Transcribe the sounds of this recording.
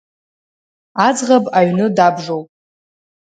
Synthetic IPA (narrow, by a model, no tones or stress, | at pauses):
ad͡zʁapʼaɥnɨdabʐowpʼ